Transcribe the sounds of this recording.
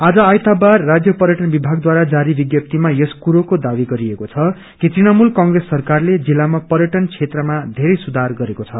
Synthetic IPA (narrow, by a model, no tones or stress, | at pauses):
ad͡zʌajt̪abarːad͡zjʌpʌɾjʌʈʌnbibʱaɡ̚d̪waɾad͡zaɾibiɡjʌp̚t̪imajeskuɾokod̪abiɡʌɾiekot͡sʰʌ | kit̪rinamulkʌŋɡresːʌrkarled͡zilːamapʌɾjʌʈʌnt͡sʰet̪rʌmad̪ʱeɾʌjsud̪ʱarɡʌɾekot͡sʰʌ